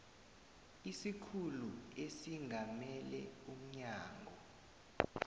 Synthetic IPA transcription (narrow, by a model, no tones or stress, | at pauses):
isikʰuluesiŋʱamɛlɛ̰um̩ɲaːŋʱɔ